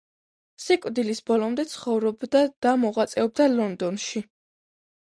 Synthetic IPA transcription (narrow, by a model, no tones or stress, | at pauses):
sikʼd̪ilisbɔlɔmd̪ɛt̪sʰχɔvɾɔbd̪ad̪̥amɔʁat̪sʼɛɔb̚d̪alɔnd̪ɔnʃi